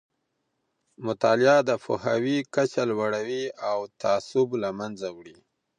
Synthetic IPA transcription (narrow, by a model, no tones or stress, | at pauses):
mʊt̪ɑlɪjɑd̪əpʊhawikat͡ʃalwaɽawiawt̪aːsʊblamanzawɽi